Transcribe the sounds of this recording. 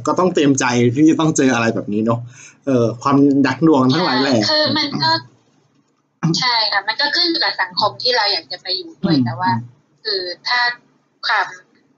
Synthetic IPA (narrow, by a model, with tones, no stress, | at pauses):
kɔː˥˩t̪ɔ˥˩ŋt̪i˧əmt͡ɕa˧jt̪ʰiː˥˩t͡ɕa˨˩t̪ɔ˥˩ŋt͡ɕɤː˧ʔa˧ɾa˧jbɛː˨˩p̚niː˦˥nɔ˦˥hʔɤː˨˧kʰwaː˧mda˨˩k̚du˧˩əŋt̪ʰa˥˩ŋlaː˨˦jlɛː˥˩kkʰɯː˧ma˧nkɔː˥˩ | t͡ɕʰa˥˩jkʰa˦˥˩ma˧nkɔː˥˩kʰɯ˥˩njuː˨˩ka˨˩p̚sa˩˦ŋkʰo˧mt̪ʰiː˥˩ɾa˧wjaː˨˩k̚t͡ɕa˨˩pa˧jːuː˨˩du˥˩əj̪ɛː˨˩waː˥˩ | kʰɯː˧t̪ʰaː˥˩ | kʰwaː˧m